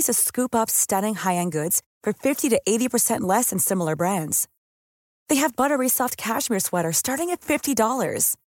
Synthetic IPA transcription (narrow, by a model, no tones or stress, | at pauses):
zɨskʉpʌpstʌɾɪ̃ŋhaɪɨ̃nɡʊdz̥ | fə˞fɪftiɾɨʔeɪɾipʰə˞sɛ̃nʔlɛsɨ̃nsɪ̃ml̩ˠə˞bɹæ̃ndz̥ | ðeɪɨvbʌɾə˞isɔft̚kʰæʃmiɹswɛɾə˞stɑɹɾɪ̃ŋɨtfɪftidɔlˠə̰˞z̥